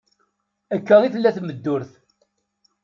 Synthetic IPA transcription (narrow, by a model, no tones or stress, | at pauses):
ækːəʁiθəlːæθməd̪ːʊɾθ